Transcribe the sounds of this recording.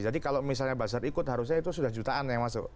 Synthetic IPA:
d͡ʒadikalomisalɲabas̬aɾikʊt̪̚ɦaɾʊs̬ɲait̪usudahd͡ʒut̪aʔanjaŋmasʊ̰

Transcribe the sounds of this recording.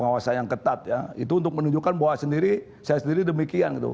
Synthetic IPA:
əŋawasanjaŋkət̪at̪̚jaḭt̪uːnt̪̬ʊk̚mənuɲd͡ʒukanbawasəndiɾi | sajasəndiɾidəmikianɡit̪ṵ

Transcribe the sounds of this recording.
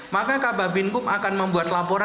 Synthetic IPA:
makakababɪnkʊmakanməmbuat̪lapoɾa

